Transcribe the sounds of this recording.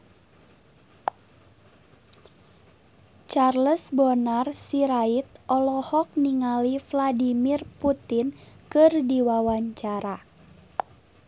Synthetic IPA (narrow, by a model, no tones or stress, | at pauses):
t͡ʃarləsbonarsiɾait̪̚ʔɔlɔhɔk̚niŋalifladimirput̪ɪnkɨrdiwawaɲt͡ʃaɾa